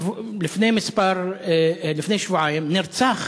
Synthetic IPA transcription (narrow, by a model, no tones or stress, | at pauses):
lɪfnemɪsbɑɾˤ | lɪfnɛʃvuʕajmnɪɾt͡sax